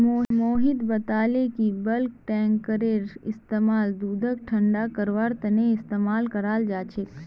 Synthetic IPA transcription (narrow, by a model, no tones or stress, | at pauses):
omoːɦɪd̪bɐt̪aːlekibɐlk̚ʈɛ̃ːŋkːəɾeːɾɪst̪eːmaːld̪uːd̪ʱəkʈʰə̃ɳɖakəɾʋəɾt̪ɐneɪst̪eːmaːlkəɾaːld͡ʒaːt͡ʃʰe